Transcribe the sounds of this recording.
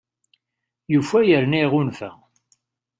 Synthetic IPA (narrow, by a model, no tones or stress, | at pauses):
jufæjəɾniʁʊnfæ̰